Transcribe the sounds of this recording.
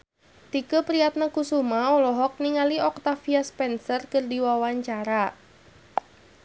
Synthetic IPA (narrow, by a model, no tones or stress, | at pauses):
t̪ikəpɾiat̪̚nakusumaɔlɔɦɔk̚niŋaliɔk̚t̪afiaspɛnsərkərdiwawaɲt͡ʃaɾa